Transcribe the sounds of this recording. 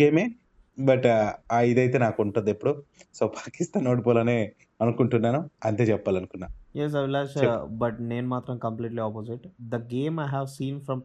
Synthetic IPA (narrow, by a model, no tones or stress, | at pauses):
eːmeː | bɐʈajid̪ɐjt̪e̞ːnaːkuɳʈund̪epːuɽusoːpḁːkist̪aːnoːʈipoːloːneː | ɐnukuɳʈunːaːnuɐnt̪eːt͡ʃɛpːaːlɐnukunːaːujes̬ɐʋlaːt͡ʃbɐʈneːnumaːt̪ɾɐ̃mkɐ̃mpliːʈliaːpoziʈd̪ɐɡeːmajɦæʋsiːnfɾɐ̃m